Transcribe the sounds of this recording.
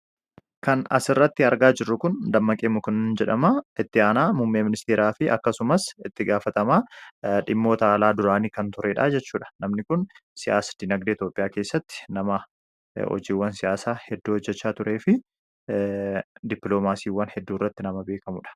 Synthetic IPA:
kɐnɐ̰sɪrːɐt̪ːɪɐɾɡaːd͡ʒɪrːʊkʊnd̪ɐmːɐkʼeːmʊkʊnːnd͡ʒɛᶑɐmɐʔɪt̪ːɪaːnaːmʊmːeːmɪnɪst̪eːɾaːfɪʔɐ̰kːɐsʊmɐsɪt̪ːɪɡaːfɐt̪ɐmaːᶑɪmːo̞ːt̪ɐːlaːd̪ʊɾaːniːkɐnt̪ʊɾʔeːᶑaːd͡ʒɛt͡ʃːuːᶑɐ̥nɐmnɪkʊnsɪja̰ːsɐ̥d̪̥ɪnɐɡd̪eːt̪jo̞ːpʼɪjaːke̞ːsːɐt̪ːɪ̥nɐmɐ | ɔ̰d͡ʒiːwːɐnsɪjaːsaːhɛd̪ːuːhɔd͡ʒːɛt͡ʃːaːt̪ʊɾʔe̞ːfɪ | d̪ɪpːlo̞ːmaːsiːwːɐnhɛd̪ːuːrːɐt̪ːɪnɐmɐbe̞ːkɐmʊᶑɐ̥

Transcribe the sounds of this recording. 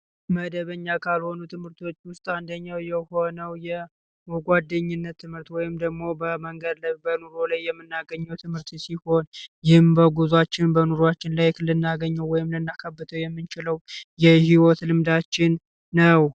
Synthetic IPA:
məd̪əβəɲːakʰalho̞nut̪ʰɨmhɨɾt̪ʰo̞t͡ʃːwʊst̪ʼand̪əɲːawjɛho̞nəwjɛ | moɡʷad̪ːəɲːɪnːət̪ʰːɨmhɨɾt̪wɔjɪmd̪əɡmo̞bəməŋɡəd̪lbənuɾolajːɛmːɨnːaɡəɲːəwt̪ʰɨmhɨɾt̪siho̞njɪhɨmbəɡuzwat͡ʃːɪnbənuɾoat͡ʃːɪnlajkʰlːɨnːaɡəɲːəwwɔjɪmlɨnːakʰəbːɨt̪ʰəwjɛmːɨnt͡ʃɪləwjɛhiwɔt̪lɨmd̪at͡ʃːɪnː | əw

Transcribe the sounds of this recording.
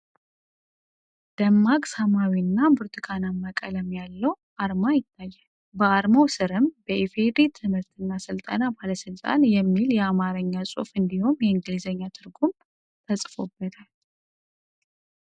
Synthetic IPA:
d̪̥əmːaɡʼsamawinːabuɾt̪ʰɨkʰanamːəkʼələmjalːəw | ʔaɾmajɪt̪ʰːajːal | bəaɾmawsɨɾɨmbəifed̪it̪ʰɨmɨɾt̪ʰɨnːasɨlt̪ʼə̰nabaləsɨlt̪ʼa̰njɛmːiljɛamaɾəɲːasʼo̰fɨnd̪ihumjɛɨŋɡɨlizəɲːat̪ʰɨɾɡum | t̪ʰəsʼfo̞̰bːət̪ʰal

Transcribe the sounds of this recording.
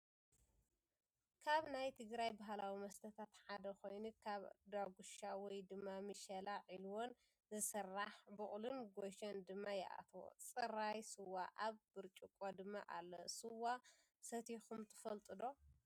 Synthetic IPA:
kʰaβnajt̪ʰɨɡɾajbaɦalawimɐst̪ʰɐt̪ʰat̪ħad̪ɐxo̞jnukʰaβd̪aɡuʃawɔjd̪ɨmːamɨʃɐlaʕilwon | zɨsɐrːaħbɨχʼlunɡoʃɐnd̪ɨmːajɛ̰ʔa̰t̪ʰwo̰t͡sʼɨɾajsɨwaʔaβbɨɾt͡ʃʼukʼod̪ɨma̰ʔa̰lːosɨwːa | sɐt̪ʰixumt̪ʰɨ̥fɐlt̪ʼɨd̪o̞

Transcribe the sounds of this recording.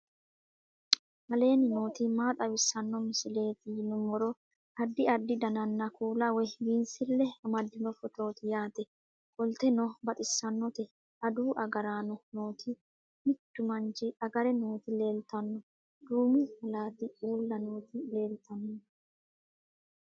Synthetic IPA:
hɐle̞ːnɪno̞ːt̪ɪmaːt̪ʼɐwɪsɐnːɔmɪsɪle̞ːt̪ɪjnʊmɔɾɔ | ʔɐd̪ːɪɐd̪ːɪd̪ɐnɐnːɐkʰuːlɐwɛwiːnsɪlːɛmɐd̪ːɪnɔfɔt̪ɾo̞ːt̪ɪjaːt̪ɛ | kʼɔlt̪ɛnɔbɐt̪ʼɪsːɐnːɔt̪ɛ | ɐd̪uːʔɐɡɐɾaːnɔno̞ːt̪ʰɪ | mɪt̪ːʊmɐnd͡ʒɪɐɡɐɾɛno̞ːt̪ɪle̞ːlt̪ɐnːɔ | d̪uːmɪhɐlaːt̪ɪʔuːlːɐno̞ːt̪ɪle̞ːlt̪ʰɐnːɔ

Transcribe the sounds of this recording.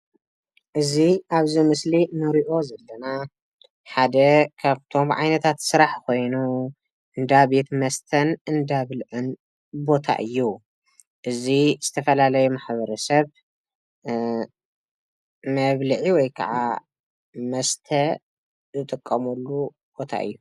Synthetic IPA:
ʔɨziʔaβzimɨslimɨɾiʔo̞zɐlːɐna | ħad̪ɐkʰaβt̪ʰo̞mʕa̰jnɐt̪ʰat̪sɨɾaħko̞jnu | ʔɨnd̪aβet̪mɐst̪ʰɐnɨnd̪aβlʕɨn | bo̞t̪ʰa̰ʔɨjːu | ʔɨziz̥ɨt̪ʰɐfɐlalɐjumaħβɐɾɐsɐβ | mɐβlɨʕiwɔjkʰɐ̰ʕa | mɐst̪ʰɐ | zɨt̪ʼɨkʼːɐmɐlːu | b̥o̞t̪ʰa̰ʔɨ̰jːu

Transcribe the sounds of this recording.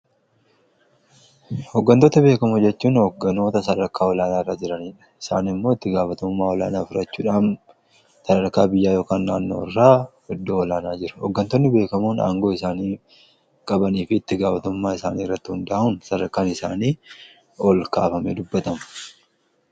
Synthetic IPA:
hɔɡːɐnt̪oːt̪ɐbe̞ːkɐmʊd͡ʒɛt͡ʃːuːnhɔɡːɐno̞ːt̪ɐsɐdɐɾkːaːɔlaːnaːɪrːaːd͡ʒɪɾɐniːᶑɐ̥ɪ̥sa̰ːnɪmːo̞ːɪt̪ːɪɡaːfɐt̪ʊmːaːwɔla̰ːnaːfɪɾɐt͡ʃːuːᶑaːn | sɐdɐɾkːaːbɪjːaːjo̞ːkaːnːaːnːo̞̰ːɪrːaː | ɔd̪ːoːwɔlaːnaːd͡ʒɪɾɐ̥hɔɡːɐnt̪ɔnːɪbe̞ːkɐmuːna̰ːŋɡo̞ːɪsaːniː | kʼɐbɐniːfɪːt̪ːɪɡaːfɐt̪ʊmːaːɪsaːniːɪrːɐt̪ːɪhʊnd̪aːʔuːnsɐdɐɾkːaːnɪsaːniː | ɔlkaːfɐmed̪ʊbːɐt̪ɐmɐ̥

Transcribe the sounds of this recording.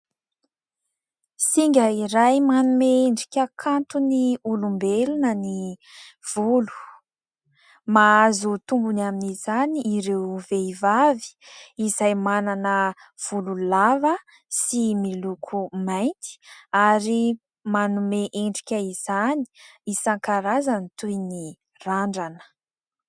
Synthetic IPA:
siŋɡʲəiɾajmanumeeɳɖ͡ʐikʲəkʰant̪uniulumbelunəni | v̥ulu̥ | maazut̪umbunaminizaniiɾewveivavi̥izajmananə | v̥ululavə | similukʰumajnt̪i̥aɾi | manumeʔeɳɖ͡ʐikʲəiz̥ani̥isaŋkaɾazanit̪ujni | raɳɖ͡ʐanə̥

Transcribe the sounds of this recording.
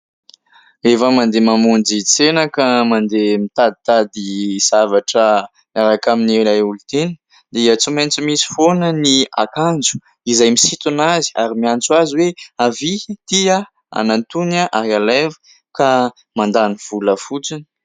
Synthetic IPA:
efəmand̪emamund͡ʒit͡senəkəmand̪emit̪ad̪it̪ad̪iz̥avaʈ͡ʂə | aɾakaminieɾajulut̪enə̥ | d̪eat͡siment͡simisi̥fonənia̰kand͡zu̥ | izajmisit̪unazia̰ɾimiant͡swaziweavit̪ia | a̰nant̪unaʔaɦalevə̥ | ka | mand̪aniv̥uləfut͡sini̥

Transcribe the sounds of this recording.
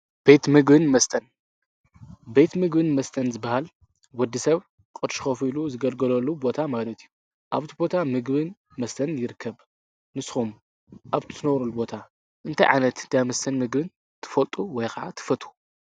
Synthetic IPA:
b̥e̞t̪mɨɡbɨnmɐst̪ʰʼɐn | be̞t̪mɨɡbɨnmɐst̪ʰɐnzɨbːahal | wɔd̪ːisɐβ | kʼɨɾʃxɐfiluzɨɡɐlɡɐlɐlːubo̞t̪ʰamalɐt̪ʰiju | ʔaβt̪ʰibo̞t̪ʰamɨɡbɨn | mɐst̪ʰɐnjɪɾɨkʰːɐβ | nɨsxum | ʔaβt̪ʰt̪ʰɨnɐwɾulubo̞t̪ʰa | ʔɨnt̪ʰajʕa̰jnɐt̪ɨnt̪ʰajmɐst̪ʰɐnmɨɡbɨn | t̪ʰɨ̥fɐlt̪ʼuwɔjkʰɐaʕa̰t̪ʰɨ̥fɐt̪ʼu̥

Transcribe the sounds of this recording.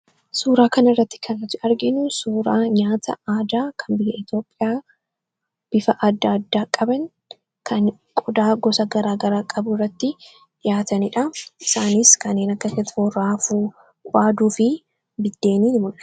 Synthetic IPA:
suːɾaːkɐnɪrːɐt̪ːɪ̥kʰɐnɐt̪ːɪɐɾɡɪnʊsuːɾaːɲaːt̪ʰɐ̰aːd̪aːkʰɐnbɪjɐɪt̪jo̞ːpʼːɪjaː | b̥ɪfɐʔɐd̪ːaːd̪ːaːkʼɐbɐŋ | kʰɐn | kʼɔd̪aːɡɔsɐɡɐɾaːɡɐɾaːkʼɐbʊrːɐt̪ːɪ | ᶑ̪ɪjaːt̪ɐnɪᶑɐʔɪsaːniskɐnːeːnɐkːɐsɛt̪ːɪ̥oraːfuː | kʷʔaːd̪uːfɪ | bɪd̪ːe̞ːniːnɪmʊnɐ̥

